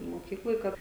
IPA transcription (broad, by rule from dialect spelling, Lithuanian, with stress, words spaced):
moːˈkʲiːklˠoːj ˈkɐt